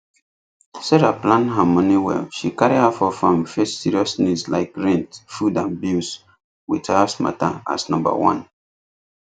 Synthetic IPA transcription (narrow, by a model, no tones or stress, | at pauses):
sɛɹaplãnɦamɔniwɛ̰ʃikaɹihafɔfɹɔ̃mfessiɹiɔsnislaɪkɹɛ̃ntfudãnbus | withasma̰ta̰a̰snɔ̃mba̰wɔ̰̃n